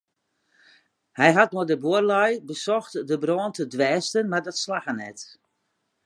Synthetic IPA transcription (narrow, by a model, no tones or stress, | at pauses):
hɛjɦat̚noədəbuərlɛjbəsɔxtdəbrɔːəntʰədʋɛːstənmardɔtslaxənɛ̰t